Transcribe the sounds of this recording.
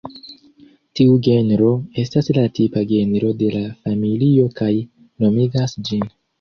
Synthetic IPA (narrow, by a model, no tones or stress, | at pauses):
tiuɡe̞nɾo̞e̞staslatipaɡe̞nɾo̞de̞lafamilio̞kaj | nomiɡasd͡ʒin